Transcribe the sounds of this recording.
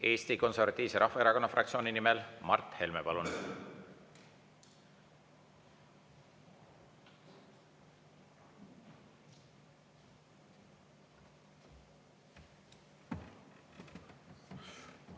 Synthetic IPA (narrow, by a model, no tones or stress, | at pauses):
e̞ːst̪iko̞nseɾvɑt̪ʲːˑiːvseɾɑhfɑe̞ɾɑko̞nːɑfrɑk̚tsioːninimelmɑ̰rt̪he̞lmepɑlun